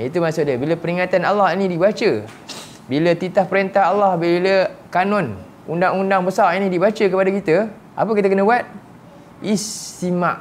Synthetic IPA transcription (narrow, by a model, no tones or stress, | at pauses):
it̪umasʊʔ̚dabiləpəɾiŋat̪analːahinidibat͡ʃə | bilət̪it̪ahpəɾənt̪aɦalːahbiləkanɔn | undaŋundaŋbəsarinidibat͡ʃəkəpadakit̪ə | ʔa̰pəkit̪akənəbuat̪̚ | ist̪imaʔ